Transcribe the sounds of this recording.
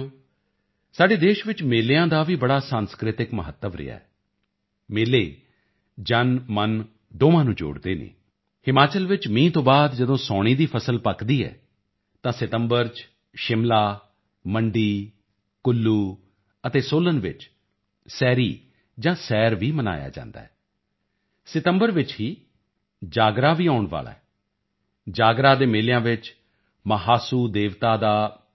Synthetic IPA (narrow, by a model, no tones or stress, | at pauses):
saːɖeːd̪eːʃʋɪt͡ʃmeːleːãːd̪aːʋiːbəɽaːsaːnskɾɪt̪ɪkməɦət̪ːəʋɾɪ̰ja̰ːɛ | meːleː | d͡ʒənmən | ɖ̪oːʋãːnũːd͡ʒo̰ːɽd̪eːnḛː | hɪmaːt͡ʃəlʋɪt͡ʃmĩːt̪õːbaːd̪d͡ʒəd̪õːsɔːɽ̃iːd̪iːpʰəsəlpəkd̪iːɛ̰ː | t̪ãːsɪt̪əmbəɾt͡ʃ | ʃɪmlaː | məɳɖiː | kʊlːuː | ət̪eːsoːlənʋɪ̰t͡ʃ | sɛːɾiː | d͡ʒãːsɛːɾʋiːməna̰ːja̰ːd͡ʒã̰ːnd̪a̰ːɦɛː | sɪt̪əmbəɾʋɪt͡ʃɦiː | d͡ʒaːɡɾaːʋiːaːʊɳʋa̰ːla̰ːɛ | d͡ʒaːɡɾaːd̪eːmeːlɪjãːʋɪt͡ʃ | məɦaːsuːd̪eːʋt̪aːd̪aː